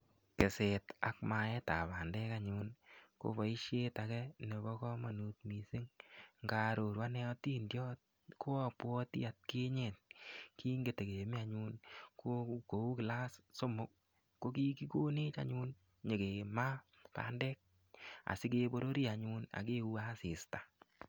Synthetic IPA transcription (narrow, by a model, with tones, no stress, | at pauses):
kɪ˨se˨ta˨kma˨ɛ˦ta˨pa˨ndɛ˦ka˦ɲʊ˦nko̰˨˦bɔ˨i˦ʃe˦ta˨kɛ˦ne˨bɔ˦kɔ˦ma˨nu˨t̪mi˨sɪ˦ŋŋɡa˨ɾo˨ɾwa˦nɛ˦ɔ˦ti˦ndjɔ˦t̚ | kʰo˦a˨pwɔ˦tḭ˦a˨t̚ke˦ɲe˨t̚kʰi˦ŋɡe˨te˨ke˨mi˦a˨ɲu˦nko˦ko˨u˦kɪ˨la˦sso˦mʊ˦k̚ː | o˦ki˦ki˦ko˦ne˦t͡ʃa̰˨ɲu˦n | ɲe˨ke˨ma˦ | pa̰˨ndɛ˦k̚ | a̰˨sɪ˦ke˦bo˦ɾo˦ɾi˦a˨ɲu˦na̰˨k̬e˦u˦a˦sɪ˨sta˨